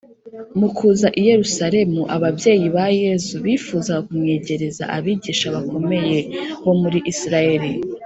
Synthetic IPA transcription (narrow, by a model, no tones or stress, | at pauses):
mukʰuːzaʔije̞ɾusaɾe̞muʔaβabje̞ːjiβaje̞zuβifuːzaɡakumŋe̞ːɟe̞ɾe̞za̰ʔaβiːɟiːʃaβako̞me̞je̞ho̞muɾiʔisiɾaje̞ɾi